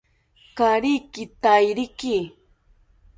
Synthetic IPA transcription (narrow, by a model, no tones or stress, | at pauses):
kaɾikɪt̪ajɾɪkɪ